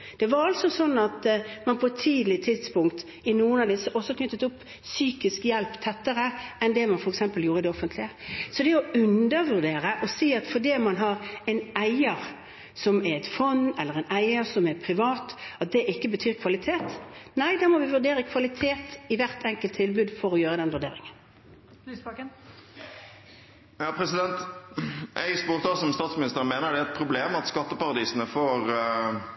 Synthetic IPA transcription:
d̪̥ɛʋɑɾɑlsɔsɔnːɑt̪mɑnpʰɔɛt̪ʰiːd̪lɪt̪ʰɪd̪spʊŋkt̪ | ɪnuːənɑd̪ɛsɔʔɔsɔkʰnʉt̪ːət̪ʊpː | syːkɪskjɛlpt̪ʰːɛt̪ːəɾəɛnd̪ɛmɑnfɔɾɛksɛmpəljuːɾəd̪ɛɔfənt̪ʰlɪəsɔd̪ɛɔʉnd̪əɾʋʉɾd̪eːɾəʔɔsiːɑt̪fɔd̪iːmɑnɦɑɾɛɪnæɪəɾ | sɔmæɾɛt̪fɔnːɛlːəɾɛɪnæɪəɾsɔmæɾpʰɾɪʋɑːt̪ɑt̪̚d̪ɛʔɪkːəbət̪ʰyːɾkʰʋɑlɪt̪ʰeːt̪næɪd̪ɑːmɔʋɪʋʉɾd̪eːɾəkʰʋɑlɪt̪ʰeːt̪ɪʋæʁt̪ʰɛŋkəlt̪ʰːɪlbʉːd̪fɔʁɔjøːɾəd̪ɛnʋʉʁd̪eːɾɪ̰ŋən | jɑːpʰɾɛsɪd̪ɛnt̪ | ʔɛ̰ɪspuːɾt̪ʰɑsɔmst̪ɑːt̪smɪnɪst̪əɾnmeːnəɖ̪ɛæɛt̪̚pʰɾʊbleːmɑt̪skɑt̪ːəpɑɾɑd̪iːsən̩əfoːʁ

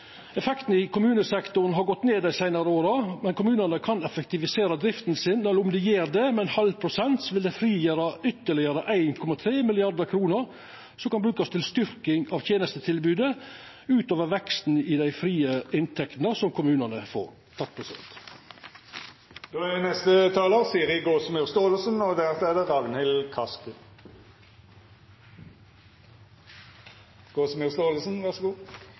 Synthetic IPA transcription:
ɛfɛkt̪n̩ɪkʰʊmʉːnəsɛkt̪ʊɾn̩ɦɑɾɡɔt̪ːneːd̪æɪsæɪnɑɾəoːɾɑmɛnkʊmʉːnənəkʰɑnɛfɛk̚t̪ɪʋɪseːɾɑd̪ɾɪft̪nsɪnːɛlʊmd̪ɛjeːɾd̪ɛmɛnhɑlpʰɾʊsɛnt̪sɔʋɪld̪ɛfɾiːjəɾɑʏt̪ːəɭɪəɾəʔæɪnkʰɔmɑt̪ʰɾeːmɪlɪɑɾd̪əkʰɾuːnəɾ | sɔmkɑnbɾʉːkɑst̪ʰɪlst̪ʏɾkɪŋɑʋt̪ʰjeːnəst̪ət̪ʰɪlbʉːd̪ə | ʉːt̪oːʋəʋɛkst̪n̩ɪd̪æɪfɾiːəɪnt̪ʰɛkt̪nəsɔmkʰʊmʉːnənəfo̰ːɾ | t̪ʰɑkt̪̚pʰɾɛsɪd̪ɛ̰nt̪ | d̪̥oːɛɛnɛst̪ət̪ʰɑːləʁsiːəɾhɪɡoːsmyʁst̪oːləsənɔd̪æːʁtɛːd̪əʁɑʋnhɪlkʰɑskə | ɡ̥oːsmʉːʁst̪oːləsn̩ʋæʁʂɔɡuː

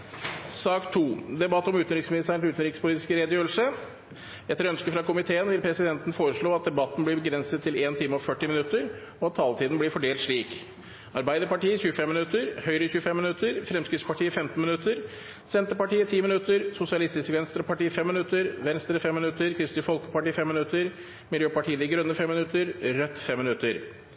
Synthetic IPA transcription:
sɑːkt̪ʰuːd̪ɛbɑt̪ːɔmʉːt̪n̩ɾɪksmɪnɪst̪ʰæɾnʉːt̪n̩ɾɪkspʰʊliːt̪ɪ̥skəɾeːd̪jøːlsə | ɛt̪ːəɾœnskəfɾɑkʊmɪt̪ʰeːənʋɪlpʰɾɛsɪd̪ɛnt̪nfoːɾəʂɭoːɑt̪̚d̪ɛbɑt̪ːn̩blɪɾbəɡɾɛnsət̪ʰːɪleːnt̪ʰɪːməɔfœʈːɪmɪnʉt̪ːəɾ | ɔɑt̪ʰːɑːlt̪iːd̪n̩blɪɾfɔɖeːlt̪ʂɭiːk | ɑɾbæɪd̪əɾpɑʈiːəçʉːəfɛmːɪnʉt̪ːəɾhœʏɾəçʉəfɛmːɪnʉt̪ʰːəɾfɾɛmskɾɪt̪spɑʈʰiːəfɛmt̪n̩mɪnʉt̪ːəɾ | sɛnt̪əpɑʈiːət̪ʰiːmɪnʉt̪ːəɾsʊsɪɑlɪst̪ɪskəʋɛnst̪ɾəpɑʈiːfɛmːɪnʉt̪ːəɾʋɛnst̪ɾəfɛmːɪnʉt̪ːəɾkʰɾɪst̪ɪfɔlkə̥pɑʈiːfɛmːɪnʉt̪əɾ | mɪljøːpɑʈʰiːəd̪ɪɡɾʉnːəfɛmːɪnʉt̪ːəɾɾœt̪ːfɛmːɪnʉt̪ːəɾ

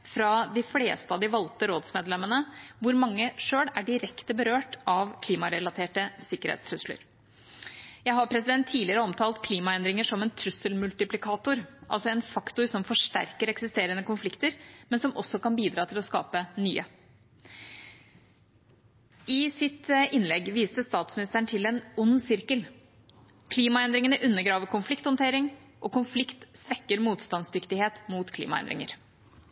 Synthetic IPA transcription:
fɾɑd̪ɪflḛːst̪əɑd̪ɪʋɑlt̪əɾoːd̪smeːd̪lɛmənəʋʊɾmɑŋːəʂøːɽæɖɪɾɛkt̪əbəɾøːʈɑʋkʰliːmɑɾɛlɑt̪ʰeːʈəsɪkːəɾhɛ̰t̪st̪ʰɾʉslə̰ɾ | jæɪɦɑɾpʰɾɛsɪd̪ɛnt̪ʰːiːlɪəɾəɔmt̪ʰɑːlt̪̚kʰliːmɑɛnd̪ɾɪŋəʂɔmɛnt̪ʰɾʉsəlmʉlt̪ɪplɪkʰɑːt̪ʊɾʔɑ̰lsɔɛnfɑkt̪ʊɾsɔmfɔʂʈæ̰ɾkəɾɛksɪst̪eːɾənəkʊnflɪkt̪əɾmɛnsɔmʔɔ̰sːɔkɑnbiːd̪ɾɑːt̪ʰɪlɔskɑ̰ːpənyːə | ɪsɪt̪ʔɪnlɛɡʋiːsəst̪ɑːt̪smɪnɪst̪əɳt̪ʰɪlɛnʊnːsɪɾkəl | kʰliːmɑɛnd̪ɾɪŋənəʔʉnːəɡɾɑːʋəkʊnflɪkt̪hɔnt̪ʰeːɾɪŋʔɔkʊnflɪkt̪sʋɛkːəɾmuːt̪st̪ɑnsd̪ʏkt̪ɪheːt̪muːt̪kʰlḭːmɑ̰ɛ̰nd̪ɾɪ̰ŋə̰ɾ

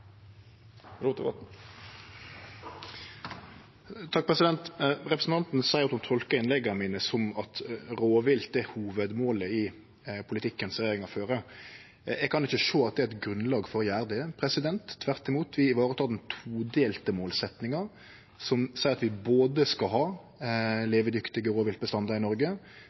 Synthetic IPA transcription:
ɾu | t̪ʰɑk̚ːpʰʁɛsɪd̪ɛnt̪ʁɛpɾɛsn̩t̪ʰɑnt̪n̩sæɪt̪ʊmt̪ʰɔlkəɪnlɛɡənmiːnəsɔmɑt̪ɾoːʋɪlt̪ɛhuːʋəd̪moːləɪ | pʰʊlɪt̪ʰɪkːənsʁɛjeːɾɪŋɑføːɾə | ɛɡ̚kʰɑnɪçːəʂoːɑt̪̚d̪ɛæɛt̪ɡɾʉnlɑːɡfɔɾjæːɾd̪əəpʰɾɛsɪd̪ɛnt̪ʰːʋæʁt̪ɪmuːt̪ʰʋɪɪʋɑːɾət̪ʰɑːd̪ɛnt̪ʰuːd̪eːlt̪əmoːlsɛt̪nɪŋəɾ | sɔmsæɪɾɑt̪ʋɪboːd̪əskɑɦɑː | leːʋəd̪ʏkt̪ɪɡəɾoːʋɪlt̪bəst̪ɑnd̪ɑɾɪnɔɾɡə

